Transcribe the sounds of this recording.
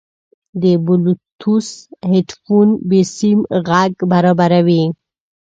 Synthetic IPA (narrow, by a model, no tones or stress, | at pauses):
d̪əbulut̪ʰusheʈfunbesimɣaɡbaɾabaɾawi